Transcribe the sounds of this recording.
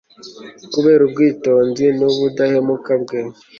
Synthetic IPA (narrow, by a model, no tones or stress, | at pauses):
kuβeːɾub̚ɡiːtoːnzinuβudahemukabɡe